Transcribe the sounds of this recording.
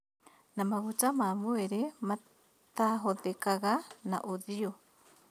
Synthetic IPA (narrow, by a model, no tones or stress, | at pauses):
namaβut͡ʃamaːmoeɾema | t̪aɦoðekaɣana̰ʔoðio